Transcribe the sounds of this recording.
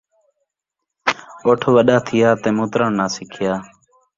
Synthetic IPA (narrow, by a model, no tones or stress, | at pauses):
oːʈʰːʋəɗaːt̪ʰɪjaːt̪eːmõːt̪ɾəɳnãːsɪkʰɪjaː